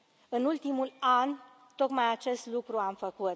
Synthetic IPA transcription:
ɨnult̪imulan | t̪o̞kmajat͡ʃe̞st̪lukɾuamfəkut̪

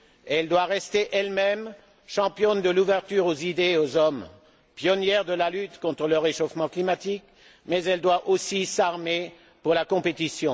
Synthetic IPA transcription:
ɛld̪waʁɛst̪eʔɛlmɛm | ʃɑ̃pjɔnd̪əluvɛʁt̪yʁozid̪eozɔm | pjɔnjɛʁd̪əlalyt̪kɔ̃t̪χələʁeʃofmɑ̃klimat̪ik | mɛzɛld̪waʔosisaʁme | puʁlakɔ̃pet̪isjɔ̃

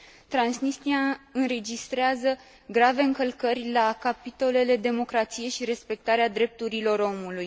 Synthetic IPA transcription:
t̪ɾansnist̪iaɨnɾe̞d͡ʒist̪ɾeazə | ɡɾave̞ɨŋkəlkərʲlakapit̪o̞le̞le̞d̪e̞mo̞kɾat̪sije̞ʃiɾe̞spe̞k̚t̪aɾead̪ɾe̞p̚t̪uɾilo̞ro̞muluj

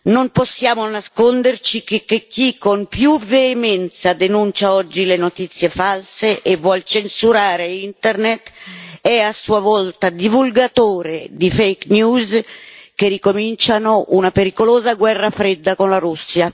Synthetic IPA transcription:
nomposːjaːmonaskond̪ert͡ʃik̟ek̟ːek̟ːikːompjuveːmɛnt̪sad̪enunt͡ʃaɔd͡ʒːilenot̪it̪sːjefalseʔevːwɔlt͡ʃensuɾaːɾeint̪ɛrnet̪ɛasːuavɔlt̪ad̪ivulɡat̪oːɾed̪ifɛjknjuːzkerikomint͡ʃanoʔunapeɾikoloːzaɡwɛrːafɾed̪ːakonlaɾusːja

